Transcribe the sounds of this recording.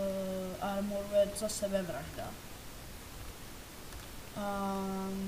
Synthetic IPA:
aɾmuɾwɛd̪sʼasɛvɛvɾakʰd̪a̰

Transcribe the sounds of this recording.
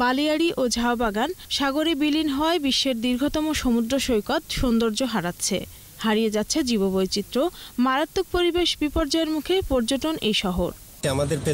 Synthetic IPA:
baliaɽiʔod͡ʑʱaobaɡanʃaɡoɾebilinɦɔebiʃːeɾd̪iɾɡʱot̪ɔmoʃomud̪ɾoʃojkat̪ʃond̪oɾd͡ʑoɦaɽat̪ːɕʰḛ | haɾijed͡ʑatːɕʰed͡ʑibobojt͡ɕit̪ːɾomaɾat̪ːok̚poɾibeʃbipoɾd͡ʑaeɾmukʰepɔɾd͡ʑoʈonʔejʃɔɦoɾ | amad̪eɾpe

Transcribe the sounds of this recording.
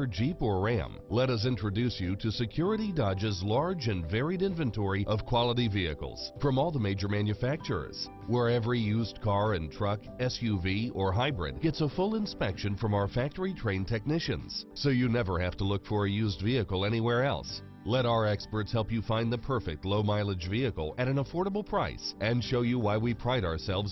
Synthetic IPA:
ə˞d͡ʒipə˞ɹæ̰̃m | lɛɾʌs̬ɪ̃ntɹ̥ɨdʉsjɨɾɨsɨkʰj̥ʊɹɨɾidɑd͡ʒɨzlɑɹd͡ʒɨ̃nvɛɹiɾɪ̃nvɨ̃ntʰɔɹiʔʌv̥kʰw̥ɑlˠəɾiviɨ̰kl̩ˠz̥fɹʌ̃mɔlˠðəmeɪd͡ʒə˞mæ̃njɨfæk̚t͡ʃə̰˞z̥ | wə˞ɛvɹijʉzkʰɑɹɨ̃ntʰɹ̥ʌk | ɛsjʉviə˞ɦaɪbɹɪ̰d̚ɡ̥ɛtsəfʊlˠɪ̃nspɛkʃɨ̃nfɹʌ̃maʊə˞fæk̚tə˞itʰɹ̥ẽɪ̃ntʰɛk̚nɪʃɨ̰̃nz̥soʊjɨnɛvə˞hæftəlʊkfə˞ɨjʉzdviɨkl̩ˠɛñiwɛɹɛ̰lˠs | lɛɾaʊə˞ɛkspə˞tshɛlˠpjɨfãɪ̃nðɨpʰɜ˞fɪ̰k̚tˡloʊmaɪlˠəd͡ʒviɨkl̩ˠɨɾɨ̃nəfɔɹɾəbl̩ˠpʰɹ̥aɪsʔɨ̃nʃoʊjɨwaɪwipʰɹ̥aɪɾaə˞sɛlˠvz

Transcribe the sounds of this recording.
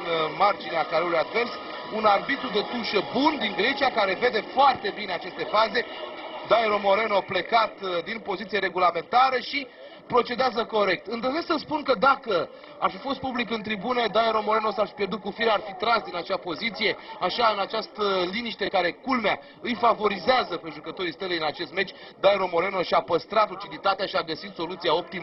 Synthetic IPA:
nmard͡ʒineakaɾeulujad̪ve̞rs | unarbit̪ɾud̪e̞t̪uʃəbund̪iŋɡɾe̞t͡ʃijakaɾe̞ve̞d̪e̞foart̪e̞bine̞at͡ʃe̞st̪e̞faze̞d̪ajeɾo̞mo̞ɾe̞nople̞kat̪d̪inpo̞zit̪sieɾe̞ɡulame̞nt̪aɾəʃi | pɾo̞t͡ʃe̞d̪eazəko̞ɾe̞k̚t̪ɨnd̪əzesksəspunkəd̪akə | arfifo̞st̪̚publik̬ɨnt̪ɾibuned̪ajeɾo̞moɾe̞no̞sarfi̥pʲje̞rd̪ut̪̚kufiɾarfit̪ɾasd̪inat͡ʃapo̞zit̪sije̞aʃaɨnat͡ʃast̪əliniʃt̪ekaɾe̞kulmea | ɨjfavo̞ɾizeazəpe̞ʒukət̪o̞ɾist̪əleinat͡ʃe̞st̪me̞t͡ʃʲ | d̪ajeɾo̞mo̞ɾe̞no̞ʃiapəst̪ɾat̪ut͡ʃid̪it̪at̪eaʃiaɡəsit̪so̞lut̪siao̞p̚t̪imə

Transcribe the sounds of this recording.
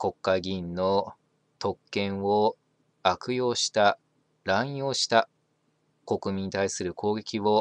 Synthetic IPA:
ko̞kːaɡʲĩnːo̞ | t̪ʰo̞kːẽ̞ɰ̃o | akɯ̟jo̞ːɕi̥t̪a | ɾãɰ̃o̞ːɕi̥t̪a | ko̞kɯ̟mʲiɲ̟it̪aisɨɾɯ̟kʰo̞ːɡe̞kʲiβo̞

